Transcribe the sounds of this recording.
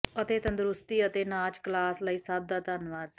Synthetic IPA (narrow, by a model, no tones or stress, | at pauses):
ət̪eːt̪ə̃nd̪ɾʊst̪iːət̪eːnaːt͡ʃklaːslaisaːb̚d̪aːt̪aːnʋaːd